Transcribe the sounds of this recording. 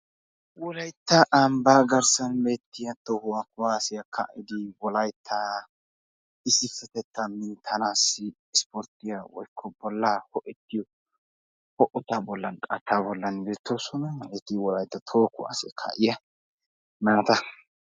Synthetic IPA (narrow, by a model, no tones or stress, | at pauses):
wɔlɐjt̪ːɐʔɐmbaːɡɐɾsɐnmeːt̪ːɪjɐt̪ːohʊwakʊwaːsɪjɐkʰa̰ʔɪd̪ɪwɔlɐjt̪ʰːɐ | ɪsɪfːɛt̪ɛt̪ːɐmːɪt̪ʰɐnaːsːɪːspɔɾt̪ɪjɐwɔ̰jkʰːɔbɔlːahɔʔɛt̪ːɪjɔ | hɔʔʊt̪abɔlːɐnkʼɐt̪ːabɔlːɐnbeːt̪ːosɔnɐmɐʔɛt̪ɪwɔlɐjt̪ːɐt̪ʰoːkʊwa̰ːsɪkʰa̰ʔɪjɐ | naːt̪ɐ